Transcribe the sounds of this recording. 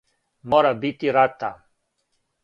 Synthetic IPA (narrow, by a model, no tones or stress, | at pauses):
mɔɾabit̪iɾat̪ːa